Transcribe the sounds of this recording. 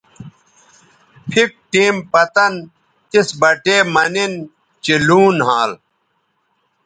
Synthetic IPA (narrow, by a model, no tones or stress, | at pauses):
pʰik̚ʈiːmpɐt̪ɐn | t̪isbɐʈeːmɐnin | t͡ɕiluːnɦãːl